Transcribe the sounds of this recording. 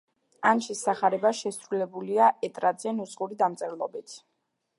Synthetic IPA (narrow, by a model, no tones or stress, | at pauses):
anʃisaχaɾɛbaʃɛsɾulɛbuliaʔɛt̪ʼɾad̪z̥ɛnusʼqʼuɾid̪amt̪sʼɛɾlˠɔbit̪ʰ